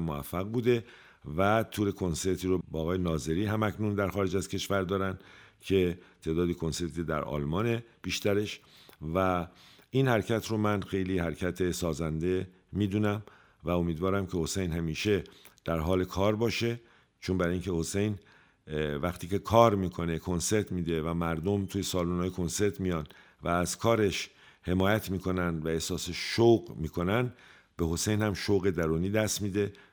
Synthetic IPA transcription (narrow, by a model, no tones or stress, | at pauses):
moæfːæɣbuːd̪e̞ | væt̪ʰuːɾe̞kʰo̞nse̞ɾt̪ʰiːɾobːɣɒːjenɒːze̞ɾiːɦæmæcʰnund̪æɾxɒːɾe̞d͡ʒæzkʰe̞ʃvæɾd̪ɒːɾænd̪cʰe̞t̪ʰe̞ːd̪ɒːd̪ikʰo̞nse̞ɾt̪ʰid̪æ̰ɾɒ̰ːlmɒːne̞b̥iːʃt̪æɾe̞ʃvæ | inhæɾcʰæt̪ʰɾomænxe̞jliːhæɾcʰæt̪ʰe̞sɒːzænd̪e̞ | miːd̪uːnæm | væo̞miːd̪vɒːɾæmcʰe̞ho̞sejnhæmiːʃe̞d̪̥æɾɦɒːle̞kʰɒːɾbɒːʃe̞ | t͡ʃʰonbæɾiŋkcʰe̞ho̞se̞jn | væxt̪ʰiːcʰe̞kʰɒːɾmiːkʰo̞ne̞kʰo̞nse̞ɾt̪ʰmiːd̪evæmæɾd̪omt̪ʰuːjesɒːluːnɒːjekʰo̞nse̞ɾt̪ʰmijɒːn | væːzkʰɒːɾeʃ | he̞mɒːjæt̪ʰmiːkʰo̞nænd̪væehsɒːseʃowɢmiːkʰo̞nænd̪ | b̥e̞ho̞sejnhæmʃowɣe̞d̪æɾuːniːd̪æst̪miːd̪e̞